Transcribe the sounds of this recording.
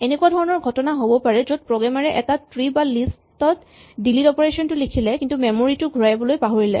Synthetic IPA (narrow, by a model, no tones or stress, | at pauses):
enekuadʱɔɹɔnɔɹɡʱɔtɔnaɦobɔpaɹɛzod̚pɹoɡamaɹɛʔɛtatɹibalis | tɔt | dilitɔpɔɹesɔntʊlikʰilɛkintumɛmoɹitʊɡʱuɹajbɔlojpaɦoɹilɛ̰